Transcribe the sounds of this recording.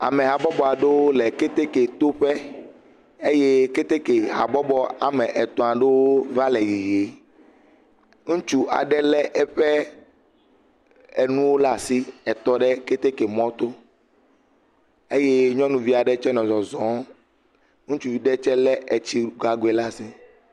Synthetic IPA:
a̰˨mɛ˨ɦa˨bɔ˦bɔ˨a˨ɖe˦wo˦lɛ˨ke˦t̪e˦ke˨t̪o˦ɸɛ˦ | e˦je˦ke˦t̪e˦ke˨ɦa̰˨bɔ˦bɔ˦a˨mɛ˨ʔɛ˨t̪ɔ̃˨ã˨ɖe˦wo˦va˦lɛ˨ji˨je˨˦ | ŋũ˦t͡ʃu˦ʔa̰˨ɖɛ˦lɛ˦ʔɛ˦˨ɸɛ˦ | ɛ˨nũ˦wo˦la˦˨si˦ɛ˨t̪ɔ˦ɖɛ˦ke˦t̪e˦ke˨mɔ̃˦t̪o˦ | e˦je˦ɲɔ̃˦nũ˨vi˦a˨ɖɛ˦t͡ʃɛ˦nɔ̃˨zɔ˨zɔ̃˨˦ | ŋũ˦t͡ʃu˨vi˨ɖɛ˦t͡ʃɛ˦lɛ˦e˨t͡ɕi˦˨ɡa˨ɡe˨la˦˨si˦

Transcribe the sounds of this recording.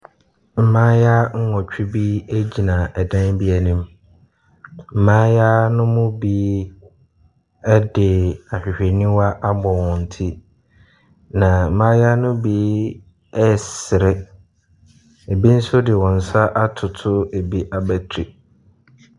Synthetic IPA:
m̩˨mãː˦ja˦ŋ̩˦ŋɔ̃˨t͡ɕᶣu˦bi˦e˦d͡ʑi˨nã˨ɛ˨dã˦nbi˦æ˨nĩ˦m | m̩˨mãː˦ja˦nʊ̃˦mʊ̃˦bi˦ | ɛ˦dɪ˨a˨ɕᶣɪ˨ɕᶣɛ˨nĩ˦wa˦ʔa˦bɔ˨wɔ̃˨n̩˨tʰi˦ | nã˨m̩˨mãː˦ja˦nʊ̃˦biː˨˦ | ɛ˦˨sɪ˨ɾɪ˦ | e˨bi˦n̩˦sʊ˦dɪ˨wɔ̃˨n̩˨sa˦ʔa˦tʰʊ˨tʰʊ˦e˨bi˦ʔa˨bæ˦tʰɾi˨

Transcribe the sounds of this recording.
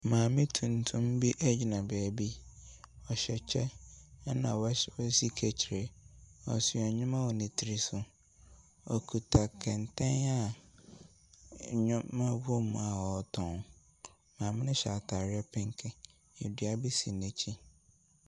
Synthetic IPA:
mãː˨mɪ̃˦tʰũ˨n˨tʰʊ̃˦mbi˦ʔæ˦d͡ʑi˨nã˨bɛː˨bi˦ | ɔ˨ɕɛ˨t͡ɕʰɛ˦nã̰˨wwɔ˦si˦kʰɛ˨t͡ɕʰi˨ɾe˨ɔ̰˨si˨ɛ˨ɲʊ̃˦mã˦wɔ˨nɪ̃˨tʰi˨ɾi˦sʊ˨ | ɔ˨kʰu˨tʰa˨kʰɛ̃˨n˨tʰɛ̃˦na˦˨ | ɲʊ̃˦mã˦bu˦mũ˨a˨wɔ˨tʰɔ̃˨ŋ | mãː˨mɪ̃˦nɪ̃˦ɕa˨tʰa˨ɾɛ˦pʰɪ̃˦ŋ˦kʰɛ̃˨ | ɛ˨dɥa˨bi˦sĩ˨nɛ̃˨t͡ɕʰi˦

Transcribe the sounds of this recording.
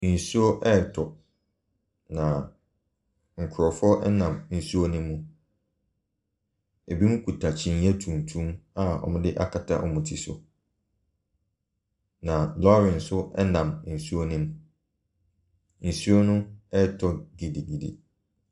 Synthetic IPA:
n̩˨su˦o˦ʔɛ˦˨tʰɔ˨ | nã˨ | ŋ̩˨kʰʊ˨ɾɔ˨fɔ˦ʔɛ˦nã˨mn̩˨su˦o˦nʊ̃˦mũ˦ | e˨bi˦mũ˦kʰu˨tʰa˨t͡ɕʰĩ˦n˦ɛ˦tʰũ˨n˨tʰũ˦a˦ɔ̰˨mʊ̃˦dɪ˦ʔa̰˦kʰa˨tʰa̰˦ʔɔ˨mũ˨tʰi˨sʊ̰˨ | nã˨lɔ˦ɾɪ̃˨n̩˨sʊ˦ɛ̰˦nã˨mn̩˨su˦o˦nĩ˦m | n̩˨su˦o˦nʊ̃˦ɛ˦˨tʰɔ˦ɡi˨di˨ɡi˨dḭ˨

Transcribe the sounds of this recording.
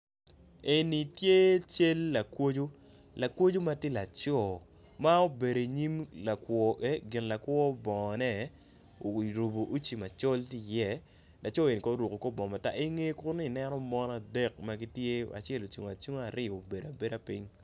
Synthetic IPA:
e˨ni˨tje˦t͡ʃe˦lːa˨kwo˦d͡ʒo˦ | la˨kwo˦d͡ʒo˦ma˦ti˦la˨t͡ʃɔ˦˨ | ma˦o˦be˨ɾo˨ɲi˦mla˨kwɔ˨e˦ɡɪ˨nla˨kwɔ˦bɔ˨ŋ˨nɛ˦ | o˨ɾo˨bo˨ʔu˦t͡ʃi˨ma˨t͡ʃɔ˦lti˦˨jɛ˦˨ | la˨t͡ʃɔ˦e˨ni˨kɔ˦ɾu˨ko˨kɔ˦bɔ˨ma˨ta̰˦ʔi˦ŋe˦kʊ˦nː˦˨nɛ˦nɔ˦mɔ˦na˨dɛ˦˨k̚ma˦ɡi˦tje˦a̰˨t͡ʃɛ˦lo˨t͡ʃu˨ŋ˨a˨t͡ʃu˦ŋ˦a˨ɾɪ˦˨o˨be˨da˨be˦da˨pi˦ɲ

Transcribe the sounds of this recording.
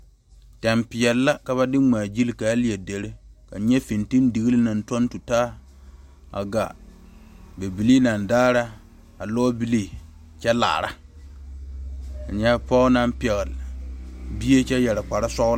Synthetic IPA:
tɛ˨mpɪ˨jɛ˨lːa˦ka˨βa˦dɪ˦ŋ͡ma˨d͡ʒi˦lkaː˨˦li˦˨e˨de˨ɾe˦ka̰˨ɲɛ˦fi˨nti˦n˦di˨ɣi˦lɪ˦na˨n˦to˦n˦tu˨taː˦ | a̰˨ɡa˨ | ba˨bi˨li˦na˨n˨daː˦ɾa˦ | a˨lɔː˦bi˦li˦ | t͡ʃɛ˦la̰ː˨ɾa̰˦ | a˨ɲɛ˦pɔ˦na˦mpɛ˨ɣɪ˨l | bi˦e˦t͡ʃɛ˦jɛ˨ɾɪ˨k͡pa˨ɾa˦sɔ˦ɣ

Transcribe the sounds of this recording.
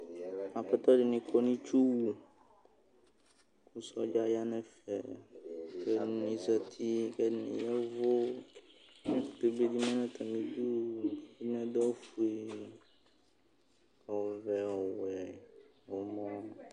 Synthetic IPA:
a˨fɛ˦t̪ɔ˦ɖi˨nĩ˨kʰo˦nĩ˦t͡ʃu˦wu˨ | ku˦sɔ˦d͡ʒa˦ja˦nɛ̃˨fɛ̰˨ | kɛ˦˨nĩ˨zɛ˨t̪ʰi˦kɛ˦˨nḭ̃˨jɛ˦vo˦ | mĩ˦fu˨t̪e˨be˦di˦mɛ̃˦nɛ̃˦t̪ʰɛ˨mĩ˦d͡ʒu˦wnɛ̃˦d̪ɔ˦fu˨e˦ | ɔ˨vɛ˨ɔ˨wɛ˨ | wo˨mɔ̃˦

